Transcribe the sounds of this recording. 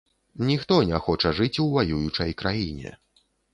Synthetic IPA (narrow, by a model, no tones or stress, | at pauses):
nʲixt̪ɔnʲɛxɔt͡ʂɐʐɨt͡sʲwvajujut͡ʂɐjkɾʔajinʲɛ̰